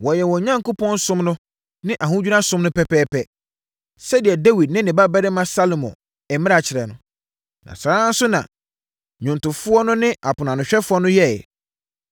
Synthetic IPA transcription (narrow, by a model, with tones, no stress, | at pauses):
wɔ˨jɛ˨wɔ˨ɲã˦ŋko˦pʰɔ̃˦n˦sʊ̃˦mnʊ̃˦ | nɪ̃˦ʔa˨ɦũ˦d͡ʑᶣu˦nã˦sʊ̃˦mnʊ̃˦pʰɛ˦pʰɛː˦pʰɛ˦ | sɛ˦dɪ˨ɛ˨dɛ˦wi˨d̚nɪ̃˦nɪ̃˨ba˦bɛ˦ɾɪ˦mã˦sa˦lo˨mɔ̰̃˨ | ɛ˨mɪ̃˦a˨t͡ɕʰɪ˨ɾɛ˨nʊ̃˦ | nã̰˨sãː˦n̩˦sʊ˦nã̰˨ | ɲʊ̃˨ntʊ˨fʊ˦ɔ˦nʊ̃˦nɪ̃˦ʔa˨pʰʊ˨nã˨nʊ̃˨ɕᶣɛ˦fʊ˦ɔ˦nʊ̃˦jɛ˦˨